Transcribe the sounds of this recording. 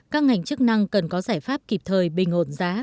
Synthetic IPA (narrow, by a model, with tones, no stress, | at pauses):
kaː˦˥k̚ŋa˨˩jŋ̟t͡ɕɨ˦˥k̚na˧ŋkə˨˩nkɔ˨˦zaː˧˩jfaː˦˥p̚ki˨˩p̚t̪ʰəː˨˩jɓï˨˩ŋ̟ho˧˩nzaː˨˦